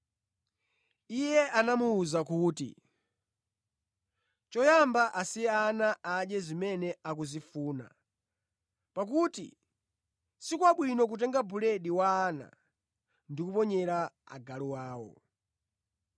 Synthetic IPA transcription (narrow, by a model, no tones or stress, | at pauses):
ijɛʔanamuːzakuːtḭ | t͡ʃɔjambaʔasianaaɗɛzimɛnɛak̬uzifuːna̰ | pak̬utḭ | sikwaɓwinɔk̬ut̬ɛŋɡabuleɗiwaːna̰ | ndikupɔɲɛɾaa̰ɡaluwaːwɔ̰